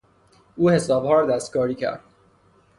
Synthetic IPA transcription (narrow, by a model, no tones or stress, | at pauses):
ʔuːhe̞sɒːbhɒːɾɒːd̪æst̪̚kɒːɾiːcʰæ̰ɾd̪̥